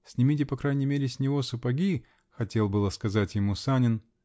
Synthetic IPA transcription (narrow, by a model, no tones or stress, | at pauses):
sʲnʲɪmʲitʲɪpɐkɾajnʲɪmʲeɾʲɪsʲnʲɪvo̞sʊpɐɡʲi | xɐtʲe̞lˠbɨlˠəskɐzatʲjɪmusanʲɪn